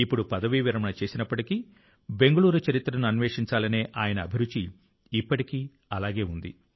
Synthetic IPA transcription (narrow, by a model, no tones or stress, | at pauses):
ipːuɽupɐd̪ɐʋiːʋiɾɐmɐnɐt͡ʃe̞ːsinɐpːɐʈiki | be̞ŋɡɐɭuːɾut͡ʃɐɾit̪ɾɐnuɐnʋeːʂiɲt͡ʃaːlɐneːʔaːjɐnɐːbʱiɾut͡ʃiː | pːɐʈikiː | ɐlaːɡe̞ːund̪ḭ